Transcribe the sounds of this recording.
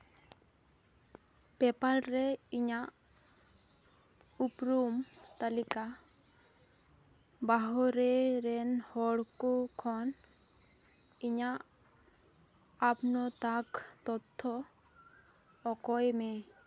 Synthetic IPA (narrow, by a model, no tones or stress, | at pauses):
pɛpalɾɛiɲaʔ | upɾumt̪alika | baɦɔɾɛɾɛnhɔɽkukʰɔn | iɲaʔ | pnɔt̪akt̪ɔt̪ʰːɔ | kɔjmɛ